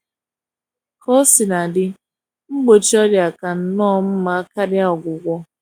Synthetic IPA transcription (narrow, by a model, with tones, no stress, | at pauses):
kɔ˦sɪ˨na˨dɪ˦ | ŋ͡m̩˦ɡ͡bo˨t͡ʃi˦ɔ˦dja˨ka˨n̩˨nɔː˦˨m̩˦ma˨a˦ka˦dɪ˦a˦ɔ˨ɡʷʊ˨ɡʷɔ˦